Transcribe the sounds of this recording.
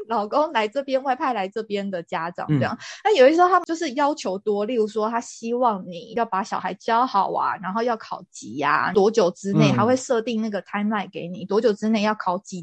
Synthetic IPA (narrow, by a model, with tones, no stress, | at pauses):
lɑ˨˩ʊko˥ŋla˧˥ɪʈ͡ʂɤ˥˩pjɛ˥nwa˥˧ɪpʰa˥˧ɪla˧˥ɪʈ͡ʂɤ˥˩pjɛ˦nd̪ə˨t͡ɕja˥ʈ͡ʂɑ̰˨˩˦ŋt͡sjɑ̰˥˨˩na˥˩jo˨˩ʊi˥ʂɻ̩˧o˥˩t̪ʰjo˥˧ʊʂɻ̩˥˩jɑ˥ʊt͡ɕʰjo˧˥ʊt̪wɔ˥li˥˩u˧˥ʂwɔ˦t̪ʰa˥ɕi˥wɑ˥˩ŋni˨˩jʊpa˧˥ɕjɑ˨˩ʊxa˧˥ɪt͡ɕjɑ˥ʊhɑ˨˩ʊa̰˨na˧˥nxo˥˧ʊjɑ˥˩ʊkʰɑ˨˩ʊt͡ɕi˧˥˦a̰˨t̪wɔ˧˥t͡ɕjo˨˩ʊʈ͡ʂɻ̩˥ne˥˩ɪxa˧˥ɪxwe˥˧ɪʂɤ˥˧t̪i˥˧ŋna˥˩ɡə˩t̪ʰa˥nna˥˩ɪke˧˥ɪnḭ˨˩t̪wɔ˧˥t͡ɕjo˨˩ʊʈ͡ʂɻ̩˥ne˥˧ɪjɑ˥˩ʊkʰɑ˨˩ʊt͡ɕi˧˥